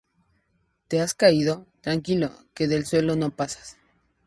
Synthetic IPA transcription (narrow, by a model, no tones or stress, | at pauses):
t̪e̞askaiðo̞t̪ɾaŋkilo̞ke̞ðe̞lswe̞lo̞no̞pasḁs